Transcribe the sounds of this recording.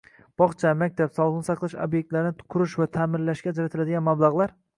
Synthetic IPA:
b̥ɒχt͡ʃʰamak̚ʲt̪ʰapsɒlˠχnɪsɑqlˠɪʃobje̞k̚ʲt̪laɾɪnɪ̥kʰʊɾɪʃvat̪ʰamɪnlːaʃkʲad͡ʒaɾat̪ʰɪlad̪ɪɡʲanmablˠaʁlˠaɾ

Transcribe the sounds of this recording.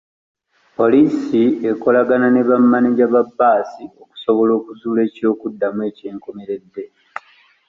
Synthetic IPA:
po̞liːsieko̞laɡanane̞βamːaniɟaβabːaːsio̞ku̥so̞βo̞lo̞ːkuzuːle̞ːco̞ːkudːamwe̞ːceːŋkome̞ɾe̞dːe̞

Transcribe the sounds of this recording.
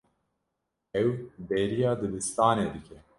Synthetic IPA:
ɛwbɛɾijaːd̪ɨlɨst̪aːned̪ɨkʰʲɛ

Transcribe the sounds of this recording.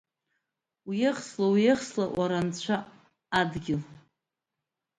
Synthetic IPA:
wjɪχslawjɪχslaʔwʔaɾant͡ɕʷʰa | adɡʲɪl

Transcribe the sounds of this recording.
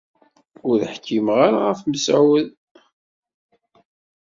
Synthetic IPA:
ʊɾðħkʰːimʁaɾaʁəfməsʕwəð

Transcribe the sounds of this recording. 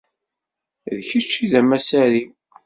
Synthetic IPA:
ðçət͡ʃːiðæmæsæɾi

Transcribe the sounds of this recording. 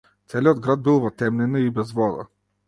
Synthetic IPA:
t̪sɛliod̪ɡɾad̪̚bilˠvɐt̪ɛmnɛnibɛzvɔd̪a̰

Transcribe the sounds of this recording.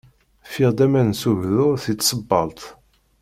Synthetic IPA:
fiʁd̪æmænsuʝðʊɾθit͡s̪ːsəbːɑlt̪

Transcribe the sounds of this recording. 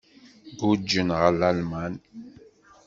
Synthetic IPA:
ɡud͡ʒːənʁəlalmæn

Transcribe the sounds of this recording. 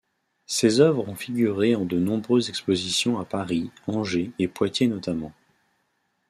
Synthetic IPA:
sezœvʁɔ̃fiɡʲyʁeɑ̃d̪ənɔ̃bʁøzɛkspozisjɔ̃apaʁiɑ̃ʒeepwat̪jenɔt̪amɑ̃

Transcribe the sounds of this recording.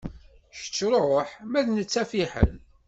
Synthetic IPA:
ʃə̥t͡sːɾɾˤoħmæðnət͡sːæfiħə̰n

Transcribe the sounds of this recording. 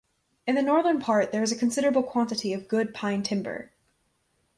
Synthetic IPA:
ɨ̃nðɨnɔɹðə̃˞npʰɑɹt̪̚ðə˞ɨzɨkʰɨ̃n̩sɪɾə˞əbl̩ˠkʰw̥ɑ̃ntɨɾiʌvɡʊd̚pʰãɪ̃ntʰɪ̃mbə̰˞

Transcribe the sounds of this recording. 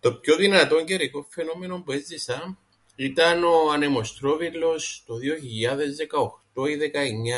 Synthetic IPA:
t̪o̞pçoðinɐt̪o̞ɲɟeɾiko̞ɱfe̞nome̞no̞mbuezd̪isɐ | it̪ɐno̞ɐne̞mo̞st̪ɾovilːo̞st̪oðioçiʎːɐðe̞zðekɐoxt̪o̞iðekɐeɲːa

